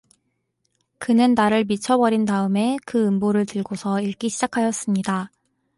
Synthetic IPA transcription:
kɯnɯnːaɾɯɭmit͡ɕʰʌbʌɾindaɯme̞kɯɯmboɾɯɭtɯɭɡosʰʌiɭk͈iɕʰid͡ʑakʰajʌs͈ɯmɲida

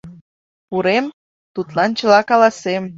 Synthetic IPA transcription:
puɾem | t̪ut̪lɑnt͡ɕə̆lɑkɑlɑsem

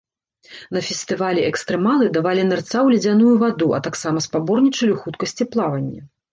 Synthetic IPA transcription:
nɐfʲɛsʲt̪ɨvalʲɛɛkst̪ɾɛmalˠɨd̪avalʲinɨrt̪sawlʲid͡zʲanujuvad̪uʔɐ̰t̪aksamɐspabɔrnʲit͡ʂɐlʲixut̪kɐsʲt͡sʲiplˠavɐnʲːɐ

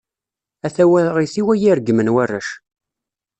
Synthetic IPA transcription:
æθæwæɾʁiθiwæjiɾəɡmənwærːæʃ

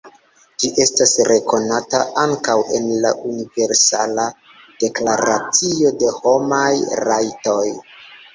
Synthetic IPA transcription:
d͡ʒiʔe̞stasɾe̞ko̞nataaŋkawe̞nla̰ʔunive̞ɾsa̰la | d̥e̞klaɾat͡sio̞de̞ho̞majɾajto̞j

